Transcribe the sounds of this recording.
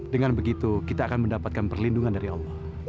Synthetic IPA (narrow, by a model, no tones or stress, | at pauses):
dəŋanbəɡit̪ukit̪aːkanməndapat̪̚kanpərlinduŋandaɾiɑlːɑh